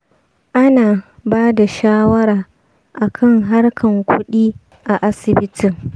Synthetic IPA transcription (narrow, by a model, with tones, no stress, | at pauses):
ʔa˦naː˨baː˦da˨ʃaː˦wɐ˦ɾaː˨ | ʔa˨kʰɐ˦˨ŋɦa˦rkʰɐ˨ŋkʷʊ˦ɗiː˦ | ʔa˨ʔa˦sɪ˨bɪ˦tɪ˨ŋ